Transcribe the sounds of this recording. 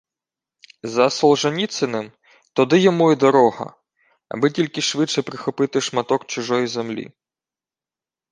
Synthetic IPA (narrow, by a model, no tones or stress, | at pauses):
zɐsɔlˠʒɐnʲit̪sɪnɪm | t̪ɔd̪ɪjɔmuid̪ɔɾɔɦɐ̰ | ɐ̰bɪtʲilʲkɪʃʋɪt͡ʃɛpɾɪxɔpɪt̪ɪʃmɐt̪ɔkt͡ʃʊʒɔjizemlʲḭ